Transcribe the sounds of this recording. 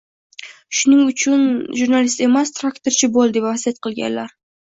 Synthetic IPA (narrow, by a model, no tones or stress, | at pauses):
ʃʊnɪŋʊt͡ʃʰʊnʒuɾnalist̪e̞mast̪ɾakt̪ʰe̞ɾt͡ʃʰɪbolˠd̪ɪbvazijat̪̚qʰɨlˠɡʲa̰nlaɾ